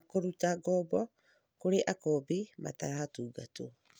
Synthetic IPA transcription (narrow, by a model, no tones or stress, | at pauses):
koɾutaɡɔbɔ | koɾeʔakɔbima̰taɾatuːɡato